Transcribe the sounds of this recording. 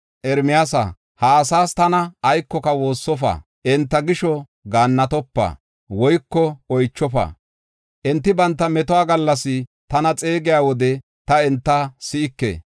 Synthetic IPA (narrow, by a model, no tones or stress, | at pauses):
ʔɛɾmɪjasɐ̰ | haːsaːst̪ɐnɐːjkːɔkɐwo̞ːsːɔfa̰ː | ʔɛnt̪ːɐɡɪʃɔ | ɡaːnːɐt̪ɔpːɐ̰ | wɔjkːɔɔjt͡ʃːɔfɐ̰ː | ʔɛnt̪ːɪbɐnt̪ːɐmɛt̪ɔaːɡɐlːɐsɪt̪ɐnɐt͡sʼeːɡɪjaːwɔd̪ɛ | t̪ɐɛnt̪ːɐsɪɪkːḛ